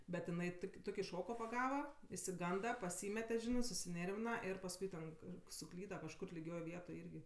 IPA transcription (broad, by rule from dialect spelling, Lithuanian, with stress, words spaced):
bʲɛt ɪˈnɐɪ ˈtʊkʲɪ ˈtʊkʲɪ ˈʃoːkoː pɐˈɡɑːʋɐ ɪʃʲsʲɪˈɡɐndɐ pɐˈsʲiːmʲɛtʲɛ ˈʒʲɪnɜ sʊsʲɪˈnʲeːrʲʋʲɪnɐ ɪr pɐsˈkʊɪ tʲɛn kɐr sʊˈklʲiːdɐ kɐʃˈkʊr lʲɪˈɡʲoːj ˈʋʲiɛtoːj ˈɪrʲɡʲɪ